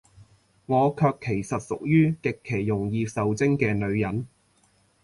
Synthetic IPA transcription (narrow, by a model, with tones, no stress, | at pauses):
ŋɔː˨˧kʰœː˧kʰːe˨˩jsɐ˨t̚sʊ˨k̚jyː˥kɪ˨kʰːe˨˩jːʊ˨˩ŋjiː˧sɐ˨wt͡sɪ˥ŋkɛː˧lɵ˨˧ɥjɐ˨˥n